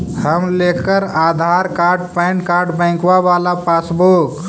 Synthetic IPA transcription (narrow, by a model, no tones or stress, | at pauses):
həmlekəɾaːd̪ʱaːɾkaːɾɖ̚pɛ̃ɳkaːɾɖbə̃ɪ̃kwaʋaːlapaːsbok